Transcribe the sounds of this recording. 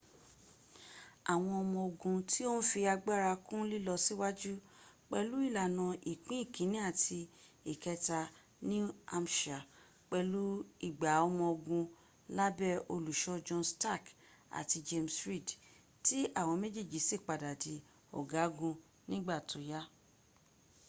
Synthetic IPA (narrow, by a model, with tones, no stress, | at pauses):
a˨w̃ɔ̃˧ɔ˧mɔ̃˧o˧ɡũ˧ti˦o˦n̩˦fi˧a˧ɡ͡ba˦˨ɾa˧kũ˦li˦lɔ˧si˦wa˦d͡ʒu˦k͡pɛ˧lu˦i˦˨la˨nã˧ʔi˨k͡pĩ˦i˦˨kĩ˨˦nĩ˦a˦˨tʰi˧i˨kɛ˧ta˧ | nĩ˦a˧m˨ʃa˨ | k͡pɛ˧lu˨˦i˦˨ɡ͡ba˨ɔ˧mɔ̃˧o˧ɡũ˧ | la˦bɛ˦o˧lu˨ʃɔ˧d͡ʒɔ̃˧nsta˦˨k | a̰˨ti˧d͡ʒe˧msɾi˦˨d | ti˦ʔa˦˨w̃ɔ̃˧me˦d͡ʒi˦˨d͡ʒi˨˦si˦˨k͡pa˨da˨di˨˦ | ɔ̰˨ɡa˨˦ɡũ˧ | nĩ˦ɡ͡ba˦˨tʰo˨˦ja˦